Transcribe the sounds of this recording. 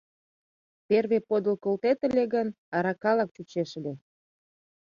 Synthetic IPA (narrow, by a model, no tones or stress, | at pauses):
perβepod̪əlkolt̪et̪ə̆lʲeɣən | ɑɾɑkɑlɑk̚t͡ɕut͡ɕeʃəlʲe